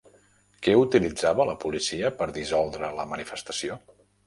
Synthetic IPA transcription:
kɛut̪ilid͡zaβələpulisiəpəɾðizɔlˠd̪ɾələmənifəst̪ə̥sio

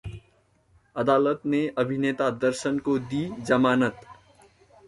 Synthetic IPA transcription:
əd̪aːlət̪neəbʱineːt̪ad̪əɾʃənkod̪id͡ʒəmaːnət̪

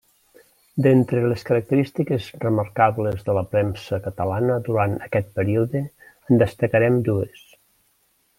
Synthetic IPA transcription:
d̪ent̪ɾeleskəɾək̚t̪əɾist̪ikezrəməɾkaβlezðələpɾɛmsəkət̪əlanəd̪uɾanəkɛt̪̚pəɾiuðə | ənd̪əst̪əkəɾɛmd̪ues

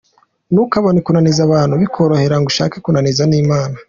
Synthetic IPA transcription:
nukaβonikunanizaβaːnhuβikʰo̞ɾo̞he̞ɾaŋɡuʃa̰ːkekunanizaniːmaːna

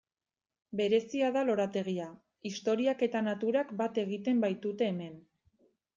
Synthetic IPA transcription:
be̞ɾe̞siaðalo̞ɾat̪e̞ɣ̞ia | ist̪o̞ɾiake̞t̪anat̪uɾakbat̪e̞ɣ̞it̪e̞mbajt̪ut̪e̞ːme̞n

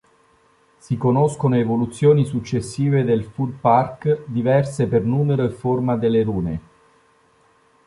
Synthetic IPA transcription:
sikonoskonoevolut̪sːjoːnisut͡ʃːesːiːved̪elfulparkd̪ivɛrsepernuːmeɾoefːormad̪elːeɾuːne

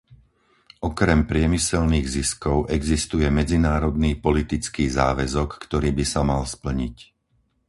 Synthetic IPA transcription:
ʔɔkɾɛmpɾɪɛmisɛlniːɣziskɔʊʔɛɡzist̪ujɛmɛd͡zinaːɾɔd̪niːpɔlit̪it͡skiːza̰ːʋɛzɔkːt̪ɔɾiːbisamalspl̩ɲic

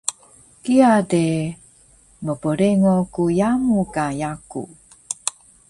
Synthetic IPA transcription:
kiade | məpəɾeŋokujamukajakṵ

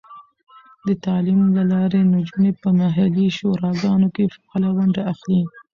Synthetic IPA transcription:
d̪ət̪ɑlimlalɑɾenʊd͡ʒunepəmaɦaliʃoɾɑɡɑnokefḁɑlawaɳɖaaxli

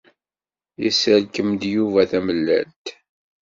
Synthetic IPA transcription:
jəsælkəmd̪juvæθæməlːæ̰nt̪

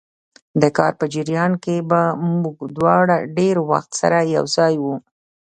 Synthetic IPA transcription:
d̪əkɑɾpəd͡ʒɪɾjɑnkebamuɡd̪wɑɽaɖeɾwa̰xt̪sa̰ɾaja̰wzɑjwu

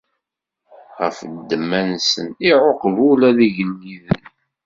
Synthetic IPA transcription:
ʁə̰fd̪ːəmːænsəniʕoqːvulæðiʝənːiðən

